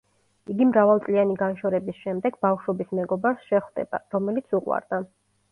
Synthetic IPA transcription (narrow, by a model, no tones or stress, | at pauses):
iɡimɾavalˠt̪sʼlianiɡanʃɔɾɛbisʃɛmd̪ɛɡbafʃɔbismɛɡɔbaɾsʃɛχwd̪ɛ̰ba̰ɾɔmɛlit̪sʰuqʼwa̰ɾd̪a